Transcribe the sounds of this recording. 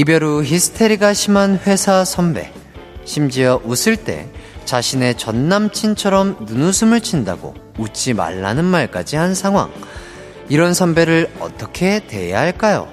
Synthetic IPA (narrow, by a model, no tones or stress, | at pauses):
ibjʌɾuçisʰɯ̥tʰeɾiɡaɕʰimanɸwe̞sʰasʰʌmbe̞̰ | ɕʰimd͡ʑiʌʔusʰɯɭt͈e̞̰t͡ɕaɕʰine̞t͡ɕʌnːamt͡ɕʰint͡ɕʰʌɾʌmnunusʰɯmɯɭt͡ɕʰinda̰ɡo̰ut͡ɕ͈ʰima̰ɭːa̰nɯnmaɭk͈a̰d͡ʑihansʰaŋɦwa̰ŋ | iɾʌnsʰʌmbe̞ɾɯɭʌ̰t͈ʌkʰe̞te̞̰ja̰ɦaɭk͈ajo̰